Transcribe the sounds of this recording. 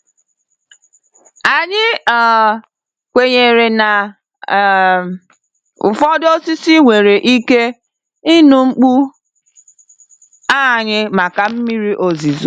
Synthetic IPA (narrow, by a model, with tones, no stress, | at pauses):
a˨ɲɪ˦˨ | kʷe˨ɲe˨ɾe˨na˨ | ʊ˨fɔ˦do˦si˦si˦ŋʷe˨ɾe˨ʔi˦ke˦ | i˦nu˨ŋ͡m̩˦k͡pu˦ | a˦˨ɲɪ˦ma˨ka˨m̩˦mi˦ɾi˦ʔo˨zi˨zu˨